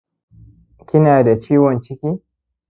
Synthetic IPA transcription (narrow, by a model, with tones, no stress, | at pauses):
kʲɪ˦naː˨da˨t͡ʃiː˦wɔ˨nt͡ʃɪ˦kʲiː˦